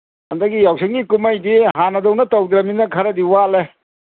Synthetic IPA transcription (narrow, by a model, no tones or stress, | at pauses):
ɐndɐɡijawsʰiŋɡikumajdiɦanɐdɔwnɐtawd̪ɾɐminɐkʰɐɾɐdiwale